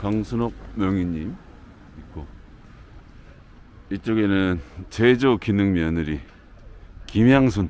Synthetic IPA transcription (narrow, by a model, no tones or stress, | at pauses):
kaŋsʰunok̚mjʌŋiɲːim | ik͈o | it͡ɕ͈oɡenɯnt͡ɕed͡ʑokinɯŋmjʌnɯɾi | kimjaŋsʰun